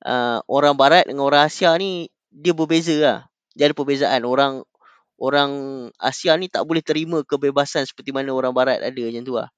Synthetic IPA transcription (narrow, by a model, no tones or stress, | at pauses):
ʔəʔoɾaŋbaɾat̪̚dəŋanoɾaŋasiani | diəbərbezəa | d͡ʒadipərbezaʔanoɾaŋ | oɾaŋa̰sianit̪a̰ʔbolɛht̪əɾimə̃kəbebasansə̥pərt̪imanãoɾaŋbaɾat̪̚a̰dəɲãt̪ua̰h